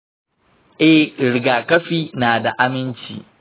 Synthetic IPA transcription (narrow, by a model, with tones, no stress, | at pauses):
ʔɛ˦hɾɪ˨ɡaː˨kɐ˦ɸiː˦naː˨da˨ʔa˦mɪ˦nt͡ʃḭː˨